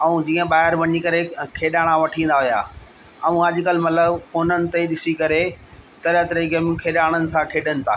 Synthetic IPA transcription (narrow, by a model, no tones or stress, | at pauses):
ɐũd͡ʑiːə̃ɓaːɦɪɾʋɐɲikɐɾekʰeːɗaːɽ̃aʋɐʈʰĩːnd̪aɦʊja̰ː | ɐũɐʄ̆kɐlmɐt̪ləbkoːnənɪ̆t̪eɗɪsikɐɾet̪ɐɾət̪ɐɾiɡɐmũkʰeːɗaːɽ̃ənɪ̆sãkʰeːɗənɪ̆t̪ʰa̰ː